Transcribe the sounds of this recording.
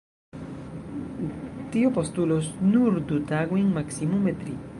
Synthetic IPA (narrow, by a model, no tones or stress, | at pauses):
t̪iopost̪ulosnuɾd̪ut̪aɣwiŋmaksimumet̪ɾi